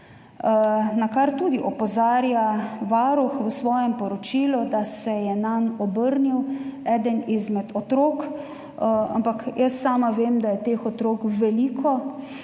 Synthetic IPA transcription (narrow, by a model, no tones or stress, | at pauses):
nakaɾt̪uːd̪iʔɔpɔzaːɾjaʋaːɾuxʋəsʋɔːjɛmpɔɾɔt͡ʃiːlud̪asɛjɛnanɔbəɾniwɛːd̪ənizmɛt̪ɔt̪ɾoːk | a̰mpakjəsːaːmaʋeːmd̪ajɛt̪eːxɔt̪ɾoːkʋɛliːkʰɔ